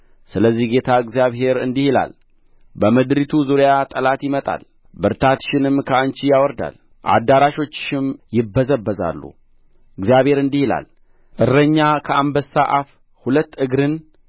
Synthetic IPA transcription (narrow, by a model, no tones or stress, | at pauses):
sɨləzːihɡe̞t̪ʰaɨɡzjaβhe̞ɾɨnd̪ihila̰l | bəməd̪ɾit̪ʰuzuɾjat̪ʼəlat̪jɪmət̪ʼa̰l | bɨɾt̪ʰat̪ʃɪnɨmkʰəant͡ʃijawɔɾd̪a̰l | ʔa̰d̪ːaɾaʃo̞t͡ʃːʃɪmjɪbːəzəbːəza̰lːṵ | ɨɡzijaβhe̞ɾɨnd̪ihila̰l | ʔɨrːəɲːakʰəʔambəsːaʔaf | hulət̪ːɨɡɾɨn